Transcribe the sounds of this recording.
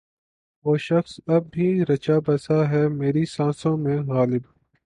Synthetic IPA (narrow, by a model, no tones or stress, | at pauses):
ʋoːʃɐxsɐb̚bʱiːɾɐt͡ʃaːbɐsaɦɛːmeːɾisãːsõːmẽɣaːlɪb